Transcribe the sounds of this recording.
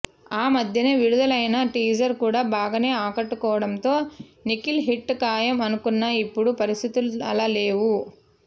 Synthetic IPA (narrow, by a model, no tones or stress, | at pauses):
aːmɐd̪ʱjɐneːʋiɽud̪ɐlɐjnɐʈiːd͡ʒɐɾkuːɽaːbaːɡɐne̞ːaːkɐʈːukɔːʋɐɽɐmt̪o̞ːnikilɦiʈːkaːjɐmɐnukunːaipːuɽupɐɾist̪ʰit̪ulɐ̰lɐle̞ːʋu